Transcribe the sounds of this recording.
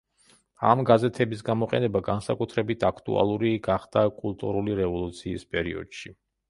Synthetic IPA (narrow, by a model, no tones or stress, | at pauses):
amɡazɛt̪ʰɛbis̬ɡamɔqʼɛ̰nɛbaɡansakʼut̪ʰɾɛbit̪ʰakʰt̪ʼṵʔa̰lˠuɾiɡaχd̪̥akʼulˠt̪ʼṵɾuliɾɛvɔlˠut̪sʰiːspʼɛɾiɔ̰d̪̥ʃi